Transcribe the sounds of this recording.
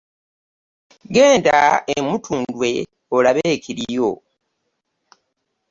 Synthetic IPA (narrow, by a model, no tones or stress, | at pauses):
ɡe̞ːndaemutʰuːndwe̞ | olaβeːkʰiɾijo